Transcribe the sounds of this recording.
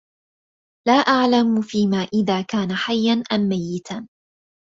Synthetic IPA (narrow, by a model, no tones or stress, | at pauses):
laːʔaʕlamfiːmaːʔɪðaːkaːnaħajːanʔamːajːɪt̪ʰan